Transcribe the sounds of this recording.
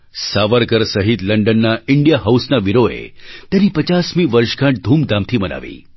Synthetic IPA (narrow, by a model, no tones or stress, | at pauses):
saʋəɾkəɾsəɦit̪ləɳɖənːaiɳɖijaɦawsnaʋiɾoḛt̪janiːpət͡ɕasmiːʋəɾʂkãʈ̚d̪ʱuːmd̪amt̪ʰiːməna̰ʋḭː